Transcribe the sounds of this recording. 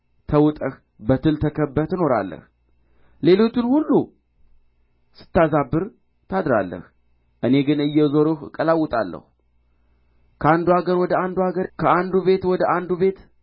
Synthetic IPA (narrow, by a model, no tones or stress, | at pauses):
t̪ʰəwʊt̪ʼəh | bət̪ʰɨlt̪ʰəkʰəbːət̪ɨno̞ɾa̰lːə̰h | le̞lo̞t͡ʃːɪnhulːu | sɨ̥t̪ːazabːɨɾ | t̪ʰad̪ɾa̰lːə̰h | ʔɨne̞ɡɨnɨjːɛzoɾohkʼəlawːʊt̪ʼalːə̰hu | kʰəand̪uaɡəɾwɔd̪əand̪uaɡəɾkʰəand̪uβe̞t̪wɔd̪əʔand̪uβe̞t̪